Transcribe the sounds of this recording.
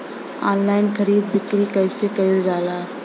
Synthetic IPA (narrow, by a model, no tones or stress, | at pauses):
a̰ːnlaːɪnxʰɐɾiːd̪bɪkɾikɐɪsekɐɪld͡ʒaːlaː